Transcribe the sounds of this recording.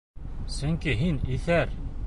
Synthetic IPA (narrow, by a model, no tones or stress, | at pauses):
sɵ̆ŋkiɦiniθæɾ